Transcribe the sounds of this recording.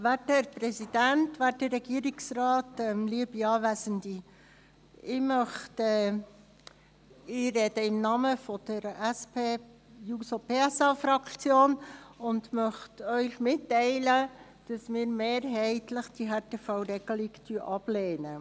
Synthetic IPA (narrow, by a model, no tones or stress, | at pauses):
ʋætɛɾpɾɛsid̥æntʋæːtəɾːɛɡ̥iəɾɪksrɑːtɛmliəbiɑːvæsəndi | ɪmœχtɛ | ɪɾɛdəɪmnɑməfɔd̪̥əɾɛspeːusopeːɛsɑfɾɑkt͡sjoːnʊndmœχtœʏxmɪtːɛɪlə | d̥ɑsmɪːɾmeːɾɦɛɪtləχd̥iɦɛɾteːfawɾɛɡ̥əlɪɡtyəʔɑb̥leːnə